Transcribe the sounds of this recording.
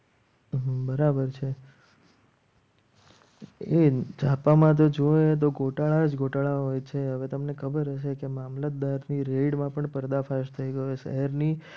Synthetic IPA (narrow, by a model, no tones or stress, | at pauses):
ɦbəɾabəɾt͡ʃʰe | ed͡ʒapamãt̪̬od͡ʒoet̪̬oɡʱoʈaɭad͡ʒɡoʈaɭaɦojt͡ʃʰeɦəʋet̪əmnekʰəbəɾɦəʃ̬ekemamlət̪̚d̪aɾniɾeɽmãpəɳpəɾd̪afaʃt̪ʰəiɡəoeʃə̰ɦəɾni